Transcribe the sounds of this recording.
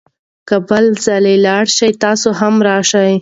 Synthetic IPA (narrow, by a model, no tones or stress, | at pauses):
kəbəlzalelɑɽʃajt̪ɑsoɦamɾɑʃaj